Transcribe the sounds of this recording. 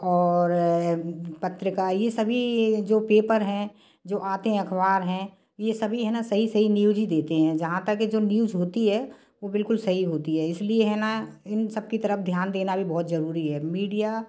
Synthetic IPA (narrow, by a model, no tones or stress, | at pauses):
ɔːɾ | pɐt̪ɾɪkajesɐbʱid͡ʒoːpeːpəɾɦɛ̃ | d͡ʒoːʔaːt̪ẽɐkʰʋaːɾɦɛ̃ | jesɐbʱiɦɛnasɐɦisɐɦinjuːd͡ʒid̪eːt̪eɦɛ̃d͡ʒɐɦãt̪əkːed͡ʒoːnjuːd͡ʒɦoːt̪iɦɛː | ʋobɪlkʊlsɐɦiɦoːt̪iɦɛɪslieɦɛːnaɪnsɐb̚kit̪ɐɾəfd̪ʱjaːnd̪eːnabʱibɔːt̪zɐɾuːɾiɦɛːmiːɖija